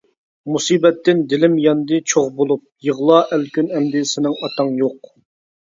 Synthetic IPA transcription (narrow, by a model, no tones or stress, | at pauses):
musiːbɛt̪ːɪnd̪ɪlɪmjɑnd̪ɨt͡ʃʰoʁbolˠup̚jəʁlˠɑʔælkʲynɛmd̪ɪsɪnɪŋɑt̪ʰɑŋjoq